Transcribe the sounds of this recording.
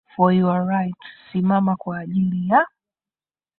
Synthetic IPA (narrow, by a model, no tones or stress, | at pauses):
fɔjuaɹajtsimamakwaːʄilija